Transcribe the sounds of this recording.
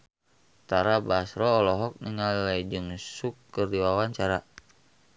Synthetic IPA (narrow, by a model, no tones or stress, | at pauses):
t̪aɾabasɾɔːlɔɦɔk̚niŋallaid͡ʒɨŋsukːərdiwawaɲt͡ʃaɾa